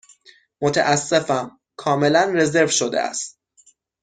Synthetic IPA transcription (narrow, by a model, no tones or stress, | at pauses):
mot̪ʰæ̰ʔæsːe̞fæm | kʰɒːme̞lænre̞ze̞ɾvʃod̪ḛʔæ̰st̪